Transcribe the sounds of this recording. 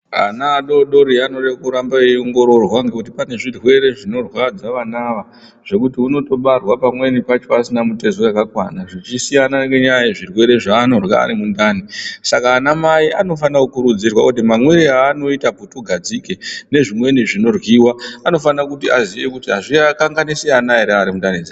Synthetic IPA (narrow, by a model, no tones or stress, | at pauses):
a̰naːɗo̞ɗo̞ɾianoɗekuɾambaioŋɡo̞ɾo̞rwaŋɡekut̬ipane̞ʐirwe̞ɾe̞ʐino̞rwad͡zaʋanaʋa | ʐ̥e̞kutiuno̞to̞ɓarwapamwe̞nipat͡ʃo̞asinamute̞zojakakwa̰naʐit͡ʃisijanaɡeɲajeʐirwe̞ɾe̞ʐaːno̞rwa̰ːɾimundaːnisakaːnamaiʔano̞fanakukuɾud͡zirwakutimamweɾiaːno̞itaputoɡʱad͡zikene̞ʐimwe̞niʐino̞rwiːwaano̞fanakutiaziʋe̞kutiɦaʐiakaŋɡaniseanaeɾeaɾimundaned͡zi